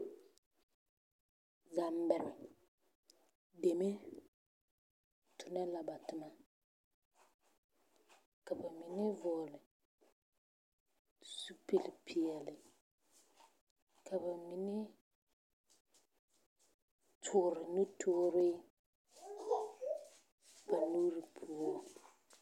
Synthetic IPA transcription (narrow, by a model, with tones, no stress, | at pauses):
za˨mbɛ˨ɾɪ˨ | de˨me˦ | tʰʊ˨nɛ˦la˨ba˨tʊ˨ma˨ | ka˨ba˨mi˨nɪ˦vʊ˨lɪ˨ | su˨pe˨lɪ˨pʰi˨ɛ˨lɪ˨ | kʰa˨ba˨mi˨ne˦ | tʰʊː˨ɾɪ˨nu˦tʰoː˦ɾɪ˦ | ba˨nu˦ɾi˨pʰu˨o˦